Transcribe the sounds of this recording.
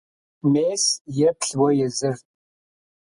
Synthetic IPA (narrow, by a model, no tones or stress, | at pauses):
meːsjɛpɬwɔjɛzɨrt̚ʼ